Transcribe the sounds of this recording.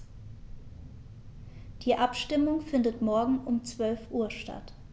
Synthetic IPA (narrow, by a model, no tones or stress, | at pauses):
d̥iːʔapʃtɪmʊŋfɪndətmɔɐɡŋ̩ʔʊmt͡sv̥œlfʔuːɐʃta̰t